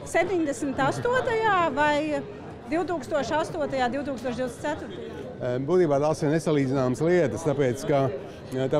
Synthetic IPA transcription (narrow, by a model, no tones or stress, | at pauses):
sep̚ʲt̪ʲiɲd̪esm̩t̪ast̪uɔt̪ajaːvaj | d̪iwt̪uːkst̪uɔʃast̪uɔt̪ajaːd̪iwt̪uːkst̪uɔʃd̪iwd̪esæt̪ʊɾt̪aja | buːt̪iːbaːt̪aːsiɾnesalˠiːd̪zɪnaːməsliɛt̪əst̪apeːt̪ska | t̪a